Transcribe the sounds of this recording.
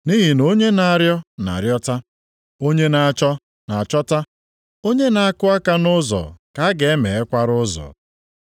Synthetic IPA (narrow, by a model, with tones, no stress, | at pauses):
ni˦ɦi˨no˦ɲe˦na˨a˨ɾjɔ˦na̰˨ɾjɔ˦ta˦ | o˦ɲe˦na˨a˨t͡ʃɔ˦ | na˨a˨t͡ʃɔ˦ta˦ | o˦ɲe˦na˨a˦kʊ˦a˦ka˦nʊ˦zɔ̰˨ka˦ɡe˨e˦me˨e˦kʷa˦ɾʊ˦zɔ̰˨